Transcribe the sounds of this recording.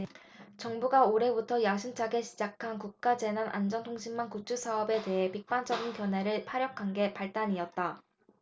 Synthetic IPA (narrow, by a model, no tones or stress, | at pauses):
t͡ɕʌŋbuɡaoɾe̞butʰʌjaɕʰint͡ɕʰaɡe̞ɕʰid͡ʑakʰankuk̚k͈ad͡ʑe̞nanʔa̰nd͡ʑʌntʰoŋɕʰimːankut͡ɕʰusʰaʌbe̞te̞ɦe̞pik̚p͈ant͡ɕ͈ʌɡinkjʌnɦe̞ɾɯɭpʰaɾjʌkʰanɡe̞paɭt͈aɲiʌt̚t͈a